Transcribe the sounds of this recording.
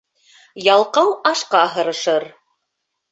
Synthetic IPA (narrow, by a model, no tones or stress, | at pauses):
jɑlˠqɑwɑʃqɑɦɤ̆ɾɤ̆ʃɤɾ